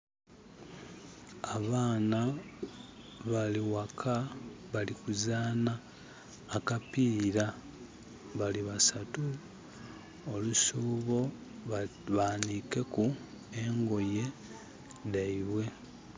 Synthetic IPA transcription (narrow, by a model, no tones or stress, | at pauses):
aβaːna | βaliwakʰaβalikuzaːnaː | kapiːɾa | βaliβasatu | olusuːβo̞ | βaːnike̞ku | eŋɡo̞je̞ | daiβwe̞